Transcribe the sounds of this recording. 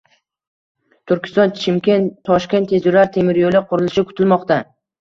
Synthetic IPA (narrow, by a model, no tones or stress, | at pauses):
t̪ʰʊɾkʲʰɪ̥st̪ɒnt͡ʃʰɪmkʲent̪ʰɒʃkʲe̞nt̪ʰːezɪɾlaɾt̪ʰe̞mɪɾjolɪqʰʊɾɪlɪʃɪkʰʊ̥t̪ʰɪlmɒqt̪a